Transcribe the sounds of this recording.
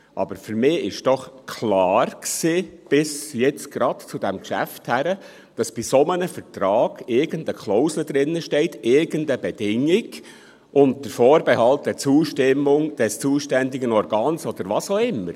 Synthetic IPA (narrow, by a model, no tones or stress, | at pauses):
ʔɑ̰bəɾfyɾmɪːɪʃd̥ɔχkʰlɑːrksiːb̥ɪsjɛt͡sɡ̥ɾɑdt͡sʊdɛmkʃæ̰fthæɾə | d̥ɑsb̥isɔmənəfətɾɑːɡ̥ɪɾɡəndəkχlɔʊsləd̪ɾɪnːəʃtɛɪtʰɪɾɡəndəbɛd̥ɪŋɪɡ | ʔʊnt̚d̥əɾfɔːɾbɛhɑlt̚d̥ɛt͡suːʃtɪmʊŋd̥ɛst͡suːʃtændɪɡənɔɾɡɑːnsɔd̥̪əɾʋɑsoɪmːəɾ